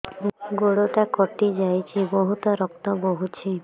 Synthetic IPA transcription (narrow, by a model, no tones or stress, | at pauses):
ɡoɽoʈakɔʈid͡ʒajt͡ʃʰibɔɦut̪ɔɾɔkt̪ɔboɦut͡ʃʰi